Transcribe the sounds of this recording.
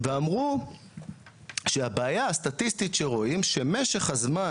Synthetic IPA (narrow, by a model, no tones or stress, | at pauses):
veamʁu | ʃeabeajaast̪atist̪itʃeʁo̞imʃe̞me̞ʃeχhazma